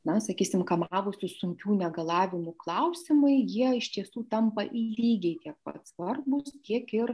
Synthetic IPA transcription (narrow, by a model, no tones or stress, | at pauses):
nɐsɐkʲiːsʲɪmkɐmɑːʋʊsʲɪsʊŋʲkʲuːnʲɛɡɐlˠɑːʋʲɪmʊklˠɐʊsʲɪmɐɪjiɛɪʃt̪ʲiɛsuːt̪ɐmpɐʔiːlʲiːɡʲɛɪt̪ʲiɛk̚pɐ̰t̪sʋɐrbʊst̪ʲiɛkɪr